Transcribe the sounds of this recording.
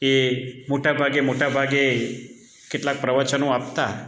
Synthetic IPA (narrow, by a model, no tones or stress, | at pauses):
emoʈabʱaɡemoʈabʱaɡe | kɪʈlak̚pɾəʋət͡ʃənõap̚t̪a